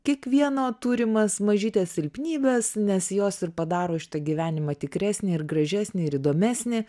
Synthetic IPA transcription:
kʲiɛkʋʲiɛnoːt̪uːɾʲɪmɐsmɐʒʲiːt̪ʲeːsʲsʲɪlʲpʲnʲiːbʲeːsnʲɛsjoːsɪɾpɐd̪ɑːɾoːʃʲɪ̥t̪ɐɡʲiːʋʲæːnʲɪmɐt̪ʲɪkɾʲæːsʲnʲɪɪɾɡɾɐʒʲæsʲnʲɪɪɾɪd̪oːmʲæsʲnʲɪ

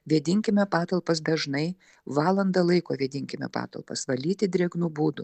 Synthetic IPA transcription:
ʋʲiɛd̪ʲɪŋʲkʲɪmʲɛpɑːt̪ɐlˠpɐs̬d̪ɐʒnɐɪ | ʋɑːlˠɐnd̪ɐlˠɐɪkoːʋʲiɛd̪ʲɪŋʲkʲɪmʲɛ̰pɑ̰ːt̪ɐ̰lˠpɐ̰sʋɐlʲiːt̪ʲɪd̪ʲɾʲiɛɡnuːbuːd̪ʊ

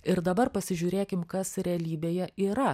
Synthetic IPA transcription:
ɪɾd̪ɐbɐɾpɐsʲɪʒʲuːɾʲeːkʲɪmkɐsɾʲɛɐlʲiːbʲeːjɛʔiːɾɐ

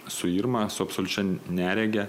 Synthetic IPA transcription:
sʊiɾmɐsʊɐpsɔlʲʊt͡ʃʲɛnʲæːɾʲɛɡʲɛ

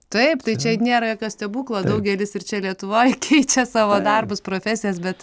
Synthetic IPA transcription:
t̪ɐɪpt̪ɐɪt͡ʃʲɛnʲeːɾɐjoːkʲoːsʲt̪ʲɛbuːklˠoːd̪ɐʊɡʲɛlʲɪsɪrt͡ʃʲɛlʲiɛt̪ʊʋoːjkʲʰɛɪt͡ʃʲɛsɑːʋoːd̪ɐrbʊspɾoːfʲæːsʲɪjɛs̬bʲɛt̪

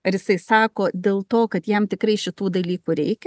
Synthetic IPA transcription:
ɐɾjɪsɐɪsɑːkoːd̪ʲeːlˠt̪oːkɐt̪jɛmt̪ʲɪkɾɐɪʃʲɪt̪uːd̪ɐlʲiːkuːɾʲɛɪkʲɛ

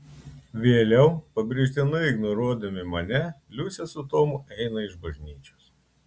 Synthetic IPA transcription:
ʋʲeːlʲɛʊpɐbʲɾʲɪʒʲt̪ʲɪnɐɪɪɡnɔɾuɔd̪ɐmʲɪmɐnʲɛlʲʊsʲɛsʊt̪oːmʊɛɪnɐɪʒbɐʒʲnʲiːt͡ʃʲos

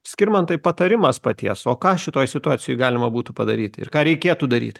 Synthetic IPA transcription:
sʲkʲɪɾmɐnt̪ɐɪpɐt̪ɐɾʲɪmɐspɐt̪ʲiɛsoːkɑːʃʲɪt̪oːjsʲɪt̪ʊɑːt̪sʲɪjoɪɡɑːlʲɪmɐbuːt̪upɐd̪ɐɾʲiːt̪ʲɪ̰rkɑːɾʲɛɪkʲeɛt̪uːd̪ɐɾʲḭːt̪ʲ

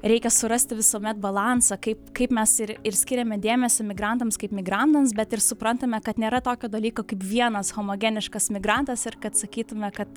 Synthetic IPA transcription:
ɾʲɛɪkʲɛsʊɾɐsʲt̪ʲɪʋʲɪsuːmʲɛt̪bɐlˠɑnsɐkɐɪpkɐɪpmʲɛsɪɾɪɾsʲkʲɪɾʲɛmʲɛd̪ʲeːmʲɛsʲomʲɪɡɾɐnt̪ɐmskɐɪpmʲɪɡɾɐnt̪ɐmsbʲɛt̪ɪɾsʊpɾɐnt̪ɐmʲɛkɐt̪nʲeːɾɐt̪oːkʲoːd̪ɐlʲiːkoːkɐɪpʋʲiɛnɐsxoːmoːɡʲɛnʲɪʃkɐsmʲɪɡɾɐnt̪ɐsɪrkɐt̪sɐkʲiːt̪ʊmʲɛkɐt̪

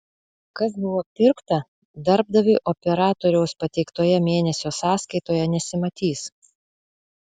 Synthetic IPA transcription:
kɐsbʊʋoːpʲɪɾkt̪ɐ | d̪ɐɾb̚d̪ɐʋʲɪʔɔpʲɛɾɑːt̪oːɾʲɛʊspɐt̪ʲɛɪkt̪oːjɛmʲeːnʲɛsʲoːsɑːskɐɪt̪oːjɛnʲɛsʲɪmɐt̪ʲiːs

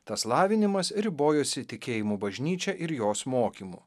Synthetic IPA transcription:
t̪ɐslˠɑːʋʲɪnʲɪmɐsɾʲɪboːjoːsʲɪt̪ʲɪkʲeːjɪmuːbɐʒʲnʲiːt͡ʃʲɛʔɪɾjoːsmoːkʲimṵː

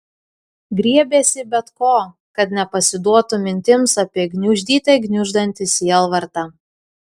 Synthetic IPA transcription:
ɡɾʲiɛbʲeːsʲɪbʲɛt̪koː | kɐt̪nʲɛpɐsʲɪd̪uɔt̪ʊmʲɪnʲt̪ʲɪmsɐpʲiɛɡnʲʊʒʲd̪ʲiːt̪ɐɪɡnʲʊʒd̪ɐnʲt̪ʲɪsʲiɛlˠʋɐɾt̪ɐ

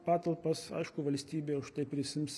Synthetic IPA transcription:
pɑːt̪ɐlˠpɐsɐ̰ɪʃkʊʋɐlʲsʲt̪ʲiːbʲeːʊʃt̪ɐɪpʲɾʲɪsʲɪmsʲ

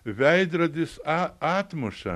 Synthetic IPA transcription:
ʋʲæɪd̪ɾɐd̪ʲɪsɑɑːt̪mʊʃɐ̰

